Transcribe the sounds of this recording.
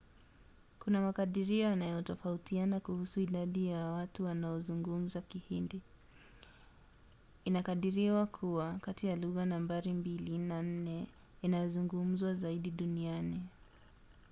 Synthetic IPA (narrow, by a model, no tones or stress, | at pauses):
kunamakaɗiɾiɔjanajɔtɔfautianakuhusuiɗaɗijawatuwanaɔzuŋɡum̩zakihindi | inakaɗiɾiwakʰuwakatijaluɣanambaɾimbilinan̩nɛ | inajɔzuŋɡum̩zwazaiɗiɗuniani